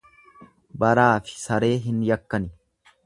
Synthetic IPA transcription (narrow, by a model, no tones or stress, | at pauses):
bɐɾaːfɪ̥sɐɾe̞ːɦɪnjɐkːɐnɪ